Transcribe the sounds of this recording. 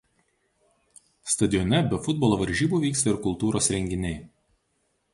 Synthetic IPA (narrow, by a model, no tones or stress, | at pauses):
st̪ɐd̪ʲɪjɔnʲɛbʲɛfʊd̪̚bɔlˠoːʋɐɾʲʒʲiːbuːʋʲiːkst̪ɐɪɾkʊlˠt̪uːɾoːsɾʲɛŋʲɡʲɪnʲɛɪ